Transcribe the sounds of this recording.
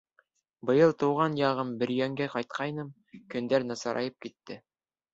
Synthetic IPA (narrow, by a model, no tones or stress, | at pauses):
bɤ̆jɤlˠt̪ɤ̆wʁɑnjɑʁɤmbɘ̆ɾjæŋɡæqɑjt̪̚qʰɑjnɤm | kɵ̆nd̪æɾnɑsɑɾʔɑ̰jɤp̚kit̪ːɘ